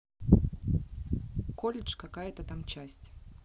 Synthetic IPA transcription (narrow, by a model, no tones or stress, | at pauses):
kolʲɪt͡ʂkɐkajət̪ət̪amt͡ɕæsʲtʲ